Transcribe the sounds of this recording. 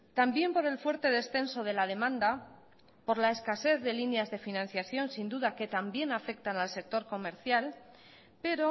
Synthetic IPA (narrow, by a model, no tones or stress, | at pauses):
t̪ambje̞mpo̞ɾe̞lfweɾt̪e̞ðe̞sθe̞nso̞ð̞e̞lað̞e̞mãnd̪a | po̞ɾlaeskase̞θðe̞linjazðe̞finãn̟θjaθjo̞nsind̪uðake̞t̪ambje̞nafe̞k̚t̪analse̞k̚t̪o̞ɾko̞me̞ɾθjal | pe̞ɾo